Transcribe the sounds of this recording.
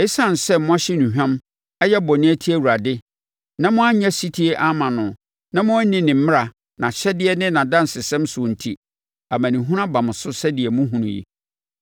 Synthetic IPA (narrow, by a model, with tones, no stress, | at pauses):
e˦sã˦˨n˨sɛ˦mʊ̃˦a˦ɕɪ˦nũ˨ɦᶣã˦m | ɛ˦jɛ˦bɔ˨nɪ̃˦æ˦tʰi˦æ˦˨wu˨ɾa˨dɪ˦ | nã˦mʊ̃˦a˦ɲã˦si˦tʰi˦e˦ʔa˦mã˨nʊ̃˨ | nã˦mʊ̃˦nɪ̃˦nɪ̃˨m̩˦m˦a˨ | nã˨ɕɛ˦dɪ˦ɛ˦nɪ̃˦nã˨dã˦n˨sɪ˨sɛ̃˦msʊ̃˨n̩˨tʰi˦ | a˨mã˨nĩ˨ɦũ˦ɾã˦bã˨mʊ̃˨sʊ˦sɛ˦dɪ˨ɛ˨mʊ̃˦ɦũ˨nṵ̃˨jḭ˨